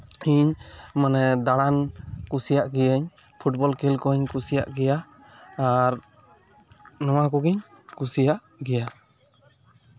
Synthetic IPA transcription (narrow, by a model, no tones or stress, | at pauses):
iɲmanɛd̪aɽankusijaʔɡijəɲ | pʰuʈ̚bɔlkelkɔɲkusijaʔɡɛjaː | ɾ | nɔwakɔɡiɲ | kusijaʔ | ɡɛja